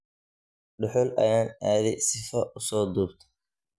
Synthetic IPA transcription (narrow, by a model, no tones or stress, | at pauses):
ɖʊħʊlʔɐ̰jaːnaːðɪsɪfɐʔʊsɔːd̪uːbt̪ʰɐ